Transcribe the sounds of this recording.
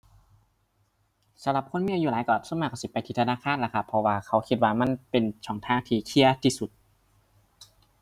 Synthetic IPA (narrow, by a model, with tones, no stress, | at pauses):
sa˨˦mla˨˧˩p̚kʰo˧˥˨mi˧˥˨juː˧laː˨˦jkɔː˧˩smaː˧˩kɔ˧˩si˧˦˩pa˧˨jt̪ʰiː˧˩t̪ʰaː˧˥˨kʰaː˧˥˨nla˧˩kʰa˧˩pʰːɔ˧waː˧kʰa˨˧˥wkʰi˧t̪̚waː˧ma˧˥˨npe˨nt͡ɕʰɔː˨˩˦ŋt̪ʰaː˧˥˨ŋt̪ʰiː˧kʰi˧˩ɐt̪ʰi˧˩su˨˩t̪̚